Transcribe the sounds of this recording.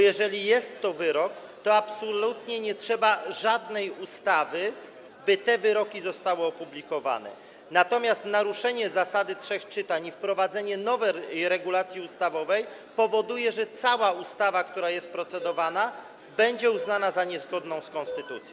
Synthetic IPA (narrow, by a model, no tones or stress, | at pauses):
jɛʐɛlʲijɛst̪ːɔvɘɾɔk | t̪ɔapsɔlut̪ɲɛɲɛtʂɛbaʐad̪nɛjust̪avɘ | bɘt̪ɛvɘɾɔkʲizɔst̪awɔɔpublʲikɔva̰nɛ̰ | nat̪ɔmʲjast̪naɾuʂɛɲɛzasad̪ɘtʂɛxt͡ʂɘt̪aɲifpɾɔvad̪zɛɲɛnɔvɛɾɛɡulat̪sʲjiust̪avɔvɛj | pɔvɔd̪ujɛʐɛt̪sawaust̪avakt̪uɾajɛst̪pɾɔt̪sɛd̪ɔvana | bɛɲd͡ʑɛuznanazaɲɛzɡɔd̪nɔ̃w̃skɔnst̪ɘt̪ut̪sʲjɔ̃